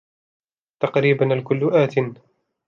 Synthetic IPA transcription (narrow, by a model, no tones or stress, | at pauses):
t̪ɑqɾiːbanalkʊlːʊʔaːt̪ɪn